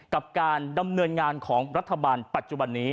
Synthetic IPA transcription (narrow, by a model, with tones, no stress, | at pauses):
ka˨˩p̚kaː˧nda˧mnɤː˧nŋaː˧nkʰɔː˩˦ŋɾa˦˥t̪ʰːa˧baː˧npa˨˩t̪̚t͡ɕu˨˩ba˧nːiː˦˥